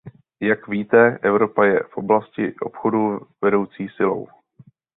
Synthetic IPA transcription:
jakviːt̪ɛʔɛvɾo̞pajɛ̰fʔo̞blascɪʔo̞̰pxo̞duvɛdo̞wt͡siːsɪlo̞̰w

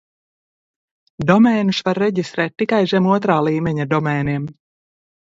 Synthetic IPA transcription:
d̪ɔmɛːnusvaɾːɛɟist̪ɾɛːt̪ːikajʒɛmuɔt̪ɾaːlˠiːmɛɲad̪ɔmɛːniɛm

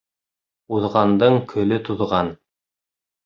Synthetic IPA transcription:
uðʁɑnd̪ɤɴkʰɵ̆lɵt̪uðʁɑn

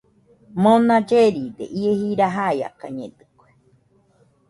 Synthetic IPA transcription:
mõnãd͡ʒeɾid̪ḛʔiehiɾaɦaja̰ka̰ɲẽd̪ɨ̥kʷe̥

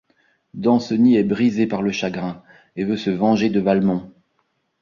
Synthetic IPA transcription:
d̪ɑ̃səniɛbʁizepaʁləʃaɡʁɛ̃ | evøsəvɑ̃ʒed̪əvalmɔ̃

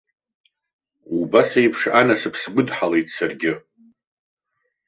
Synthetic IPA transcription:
ubasejpʰʂanasɨpʰsɡʷʊdħale̞jtʼsarɡʲɪ

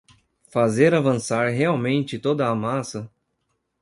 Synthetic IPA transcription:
fazeɾavɐ̃saɾɦeawmẽnt͡ʃɪt̪od̪ɐːmasɐ

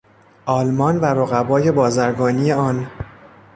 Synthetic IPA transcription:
ʔɒːlmɒːnvæɾoɣæbɒːje̞bɒːzæɾɡɒːnije̞ɒːn

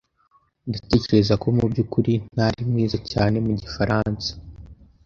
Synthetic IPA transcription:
ndate̞ːce̞ɾe̞zako̞mubɟukuɾinaɾimŋiːzacaːne̞muɟifaɾʔansḁ

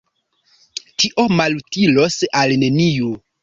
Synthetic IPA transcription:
tiʔo̞malutilo̞salne̞niju

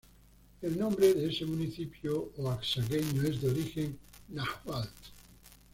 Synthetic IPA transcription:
elnõmbɾeðeesemũniθipjooaksaɣeɲoezðeoɾixenːahwalt̪

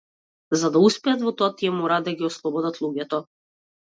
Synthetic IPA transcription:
zad̪auspɛat̪vɔt̪ɔat̪iɛmɔɾaːd̪aɡʲiɔslˠɔbɔd̪at̪lˠuɡʲɛt̪ɔ

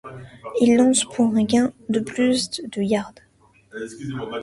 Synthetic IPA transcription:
ilːɑ̃spʰuʁɛ̃ɡʲɛ̃d̪əplysd̪d̪əjaʁd̪

